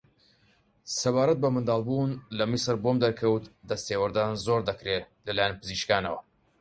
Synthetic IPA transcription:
sɐβaːɾɐt̪̚bɐmɨnd̪ɑːlˠbunlɐmisɨɾbomd̪ɐɾkʰɐwt̪d̪ɐst̪eːwɐɾd̪aːnzoːɾd̪ɐkɾe | lɐlaːjanpɨziːʃkaːnɐwɐ

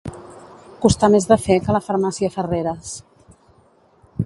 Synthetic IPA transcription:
kust̪amezðəfɛkələfəɾmasiəfəreɾəs

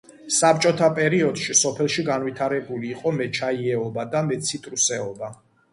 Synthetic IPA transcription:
sap̚t͡ʃʼɔt̪ʰapʼɛɾiɔd̪̥ʃisɔpʰɛlˠʃiɡanwit̪ʰaɾɛbuliːqʼɔmɛt͡ʃʰaiɛɔbad̪amɛt̪sʰit̪ʼɾusɛɔba

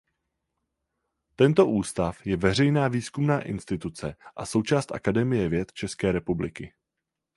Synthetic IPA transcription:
t̪ɛnt̪o̞ʔuːst̪afjɛvɛr̝ɛjnaːviːskumnaːʔɪ̰nst̪ɪt̪ut͡sɛʔaso̞wt͡ʃaːst̪ʔa̰kadɛmɪjɛvjɛt̪t͡ʃɛskɛːɾɛpublɪ̰kɪ

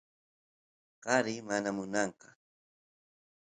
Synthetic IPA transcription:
qɑɾɪmanamʊnɑɴqɑ̥

